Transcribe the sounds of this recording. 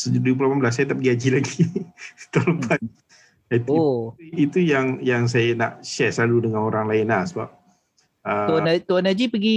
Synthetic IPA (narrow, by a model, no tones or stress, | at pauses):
səd͡ʒdup̬ulapamblas̬ːajat̪ap̚ɡiad͡ʒilaɡi | t̪oləpan̚ | ait̪uouit̪ujaŋjaŋs̬ajana̰ʔʃɛslaludəŋanoɾaŋlaɪnasəba̰p̚ | ʔəat̪uanad͡ʒipəɡi